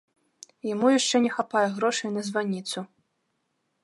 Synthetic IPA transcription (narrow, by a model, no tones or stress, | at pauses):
jamujaʂt͡ʂɛnʲɛxapajɛɣɾɔʂɐjnɐzvanʲit̪su